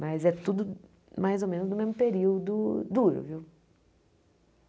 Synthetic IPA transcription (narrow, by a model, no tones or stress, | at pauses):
mɐzɛt̪ud̪ʊ | majzomẽnʊznʊmezmʊpeɾiwd̪ʊd̪uɾʊ̰viw